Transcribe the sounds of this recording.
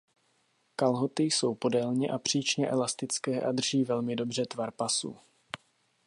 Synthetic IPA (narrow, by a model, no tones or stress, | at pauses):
kalɦot̪ɪjso̞wpo̞dɛlɲɪʔapr̝̥iːt͡ʃɲɛʔɛlast̪ɪt͡skɛːʔad̪r̩ʒiːvɛlmɪdo̞br̝ɛt̪vaɾpasṵ